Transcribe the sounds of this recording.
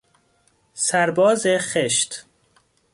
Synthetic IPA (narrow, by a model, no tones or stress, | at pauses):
sæɾbɒːzeχeʃt̪